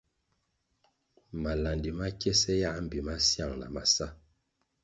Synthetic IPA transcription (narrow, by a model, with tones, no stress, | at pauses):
ma˨la˨ndi˨ma˦kɛ˦sɛ˦ja˦m̩˨bi˨ma˦sja˦˨ŋna̰˨ma˨sa˦